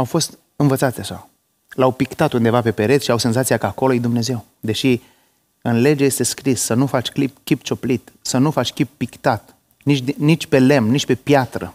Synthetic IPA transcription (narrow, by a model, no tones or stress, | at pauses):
awfo̞st̪ | ɨnvət̪sat̪seaʃa | lawpikt̪at̪und̪e̞vape̞pe̞ɾe̞t̪ʃiawse̞nzat̪siakəako̞lojejd̪umne̞ze̞w | d̪e̞ʃi | ɨnle̞d͡ʒeje̞st̪e̞skɾisːənufat͡ʃʲklipkʲipt͡ʃo̞plit̪sənufat͡ʃʲkʲipːikt̪at̪ | nit͡ʃʲd̪nit͡ʃʲpe̞le̞mnit͡ʃʲpe̞pjat̪ɾə̰